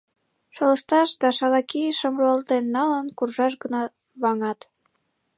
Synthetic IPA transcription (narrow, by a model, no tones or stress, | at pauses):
ʃoləʃt̪ɑʃd̪ɑʃɑlɑkiʃəmroɑlt̪enːɑlənkurʒɑʃ̬ɡənɑ | βɑŋɑt̪